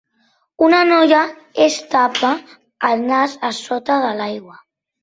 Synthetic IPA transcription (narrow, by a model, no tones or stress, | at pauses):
unanoja | est̪apaː | lnazasot̪aðəlajɣwa